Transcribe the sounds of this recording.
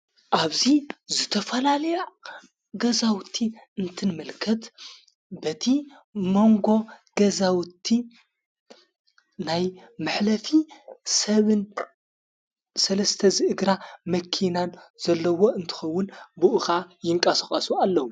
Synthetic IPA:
ʔaβzizɨt̪ʰɐfɐlalɐja | ɡɐzawt̪ʰːiɨnt̪ʰɨnmɨlkʰɐt̪ | bɐt̪ʰi | mo̞ŋɡo̞ɡ̥ɐzawt̪ʰːi | najmɨħlɐfisɐβɨn | sɐlɐst̪ʰɐzɨʔɨɡɾamɐkʰinanz̥ɐlːɐwo̞ɨnt̪ʰɨ̥xɐwːʊnbɨʔɨxajɪŋkʼɐsɐxʼɐsualːɐwu

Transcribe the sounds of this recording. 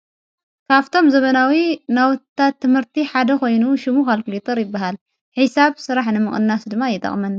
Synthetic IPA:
kʰaβt̪ʰo̞mzɐβɐnawinawt̪ʰːat̪ːɨmhɨɾt̪ʰiħad̪ɐko̞jnuʃɪmukalkɨlit̪ʰɐɾjɪbːaɦal | ħisaβsɨɾaħnɨmɨχʼɨnːasd̪ɨmːajɪt̪ʰʼɐ̰χʼmɐn

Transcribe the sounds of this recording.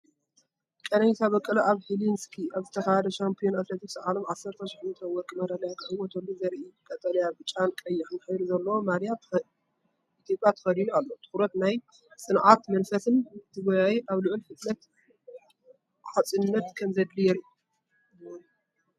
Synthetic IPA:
kʼɐnɐjit̪ʰaβɐkʼːɨlɐʔaβhilinskʰiʔaβzɨt̪ʰɐxahɐd̪ɐʃampʰio̞nat̪let̪ʰiksʕalomʕasːɐɾt̪ʰɐʃɪħmt̪ʰɐwɔkʼːimɐɾalɐjak̪ʰħɨwɔt̪ʰolːuzɐɾʔiɨkʼɐt̪ʼɐlijabɨt͡ʃʼankʼɐjːɪħɨnħɨjɾuzɐlːɐwomaɾija | it̪ʰjo̞pʼːjat̪ʰɨ̥xɐɾinualːot̪ʰɨ̥xɾɐt̪naj | sʼɨnʕat̪mɐnfɐsɨnt̪ʰɨɡɐjajiʔaβlɨʕʊlfɨt̪ʼlɐt̪ | ħat͡sʼɨnːɐt̪kʰɐmzɐd̪lijɛɾu

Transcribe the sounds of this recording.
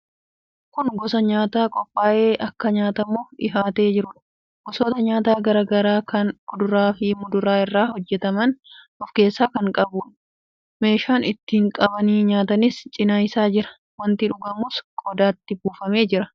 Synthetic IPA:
kʊnɡɔsɐɲaːt̪aːkʼɔpʼːaːʔe̞ːʔɐkːɐɲaːt̪ɐmoːɪɦaːt̪e̞ːd͡ʒɪɾʊᶑɐ | ɡ̥ɔsoːt̪ɐɲaːt̪aːɡɐɾɐːɡɐɾaːkɐnkʊd̪ʊɾaːfɪmʊd̪ʊɾaːɪrːaːhɔd͡ʒːɛt̪ɐmɐn | ɔfke̞ːsːaːkɐŋkʼɐbuːᶑ | me̞ːʃaːnɪt̪ːiːŋkʼɐbɐniːɲaːt̪ɐnɪst͡ʃʼɪnaːjsaːd͡ʒɪɾɐ̥ | wɐnt̪ɪᶑʊɡɐmʊːskʼɔd̪aːt̪ːɪbuːfɐme̞ːd͡ʒɪɾɐ

